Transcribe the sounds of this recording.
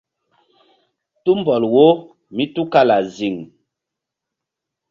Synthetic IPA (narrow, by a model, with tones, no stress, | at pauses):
tu˦mbɔ˨lwo˦ | mi˦tu˦ka˦la˨zi˨ŋ